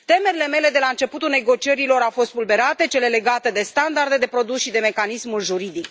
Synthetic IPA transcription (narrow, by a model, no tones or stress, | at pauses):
t̪e̞me̞ɾile̞me̞le̞d̪e̞laɨnt͡ʃe̞put̪ulne̞ɡo̞t͡ʃieɾilo̞ɾawfo̞st̪vulbe̞ɾat̪e̞t͡ʃe̞le̞le̞ɡat̪e̞d̪e̞st̪and̪ard̪e̞d̪e̞pɾo̞d̪usʃid̪e̞me̞kanismulʒuɾid̪ik